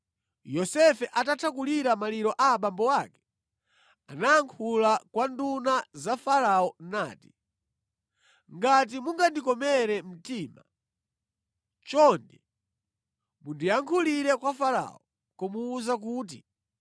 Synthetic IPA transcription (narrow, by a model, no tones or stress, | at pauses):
jɔsɛfɛʔatatʰakuliɾamaliɾɔʔaɓambɔwakɛ̥ | anaːŋkʰulakwandunazafaɾaɔna̰ːti̥ | ŋɡat̬imuŋɡandikɔmɛɾɛm̩tiːma̰ | t͡ʃɔndɛ | mundiaŋkʰuliɾɛkwafaɾa̰ɔ | kɔmuːzak̬uːt̬i